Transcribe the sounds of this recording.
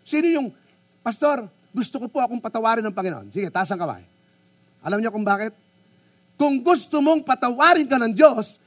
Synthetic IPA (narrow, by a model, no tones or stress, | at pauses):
sɪnɪjʊŋ | pɐst̪oɾ | ɡʊst̪okopoʔɐkoŋpɐt̪ɐwaːɾɪnɐŋpɐŋɪnoʔo̰nsiɡɛt̪aːs̬ɐŋkɐma̰j | ʔɐ̰lamɲokʊŋbaːkɪt̪̚ | kʊŋɡʊst̪ʊmoŋpɐt̪ɐwaːɾɪŋkanɐŋd͡ʒos